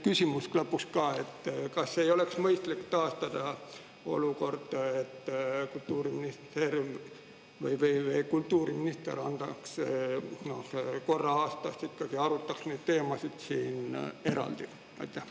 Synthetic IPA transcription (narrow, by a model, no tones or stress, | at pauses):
kysʲimusklɑpːˑukskɑːe̞t̪ːkɑsːe̞jo̞le̞ksmɤjst̪likːt̪ɑːst̪ɑd̪̥ɑ | o̞̰luko̞rd̪̥et̪ːkult̪ːˑuːɾiminist̪er | vɯjvejvekult̪ːˑuːɾiminist̪ḛɾɑnd̪̥ɑks | nohko̞rːɑɑːst̪ɑst̪ikːɑɡ̥iɑɾut̪ːˑɑksned̪̥̚t̪e̞ːmɑsid̪̥siːne̞ɾɑ̰ld̪̥i | ɑ̰jt̪ːˑeh